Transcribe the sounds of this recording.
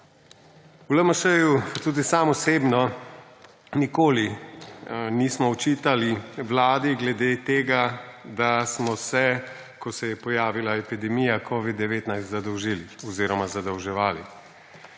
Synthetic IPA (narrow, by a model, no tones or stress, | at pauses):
uləməʃəjut̪uːd̪isaːmɔseːbnɔ | nikoːli | niːsmɔɔt͡ʃiːt̪aliʋlaːd̪iɡlɛd̪et̪eːɡad̪asmɔsɛ | kɔsɛjɛpɔjaːʋilaɛpid̪ɛmijakʰɔʋid̪ːɛʋeːt̪najst̪zad̪ɔwʒiːliɔziːɾɔmazad̪ɔwʒɛʋaːli